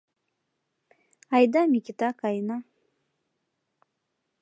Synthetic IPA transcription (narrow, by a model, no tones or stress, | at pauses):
ajd̪amikʲit̪akajna